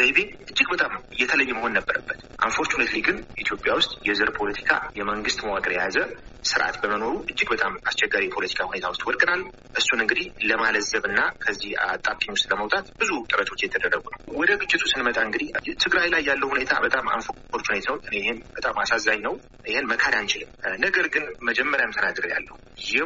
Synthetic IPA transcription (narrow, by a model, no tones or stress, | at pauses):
zejbeʔɨd͡ʒːɨɡ̚bət̪ʼamjːɛt̪ʰələjːɪməho̞nːəbːəɾəbːət̪ʔaɱfo̞ɾt̪ʰunet̪liɡʼɨnʔit̪ʰjo̞pʼjawʊst̪ʼjɛzɨɾpʰo̞lət̪ʰi̥kʰa̰jɛməŋɡɨst̪ʼməwakʼəɾjazəsɨɾʔa̰t̪bəməno̞ɾuʔɨd͡ʒːɨɡbət̪ʼamast͡ʃɛɡːaɾijpʰo̞lət̪ʰi̥kʰahune̞t̪ʰawʊst̪ʼwɔlkʼɨnal | ʔɨsːunɨŋɡɨd̪ihləmaləzːəβɨnːakʰəzːihat̪ʼːakʼiɲwʊst̪ʼləməwt̪ʼat̪bɨzut̪ʼɨɾət̪ʰo̞t͡ʃːjɛt̪ʰːəd̪ərːəɡunəwwɔd̪əɡɨt͡ʃʼːɪt̪ʰusɨnmət̪ʼaɨŋɡɨd̪iht̪ʰɨɡɾajlajːalːəwhune̞t̪ʰa̰bət̪ʼama̰nfəkʰoɾt͡ʃːhunet̪ʰwʼɨnejɪhenbət̪ʼamasazːajnəw | ɪhenməkʰaɾjant͡ʃɪlɨmnəɡəɾɡɨnməd͡ʒɛmːəɾjajmt̪ʰənaɡɨɾɨja̰lːə̰hujɪ